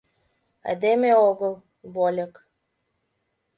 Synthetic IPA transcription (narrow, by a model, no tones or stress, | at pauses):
æ̰d̪emeoɣəlˠ | βolʲə̆k